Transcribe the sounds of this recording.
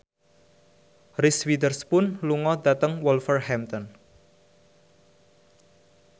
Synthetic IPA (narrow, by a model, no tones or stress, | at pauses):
rɪswid̪ərspʊnluŋɔd̪at̪əŋwɔlfərhɛmt̪ɔn